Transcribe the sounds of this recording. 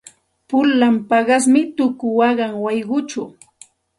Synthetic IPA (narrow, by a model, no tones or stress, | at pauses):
pʊlːampɑɢɑsmɪt̪ʊkʊwɑɢɑŋwɑjɢʊt͡ʃʊ